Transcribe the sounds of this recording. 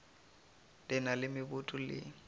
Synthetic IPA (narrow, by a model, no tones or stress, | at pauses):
lʼɪnalɪmɪbʊtʼʊlɪ̰